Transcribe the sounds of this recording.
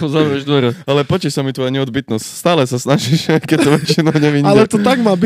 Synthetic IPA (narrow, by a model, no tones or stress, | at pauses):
ɔzaʋɾɛʒd̪ʋɔɾɛalɛpɔt͡ʃiʃsamit̪ʋɔjaɲɛɔd̪bit̪nɔscst̪aːlɛsasnaʒiʃkɛc̚t̪ɔʋɛt͡ʃinɔɲɛʋiɲːalɛt̪ɔt̪aɡmaːbi